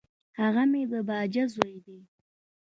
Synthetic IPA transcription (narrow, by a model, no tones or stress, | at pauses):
haɣamed̪əbɑd͡ʒazojd̪e